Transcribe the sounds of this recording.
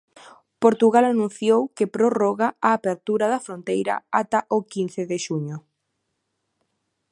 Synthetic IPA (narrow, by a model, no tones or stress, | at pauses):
poɾt̪uɣalanũn̟θjowkepɾoroɣaaːpeɾt̪uɾɐðɐfɾont̪ejɾɐ̰at̪ɐʔokin̟θeðeʃuɲʊ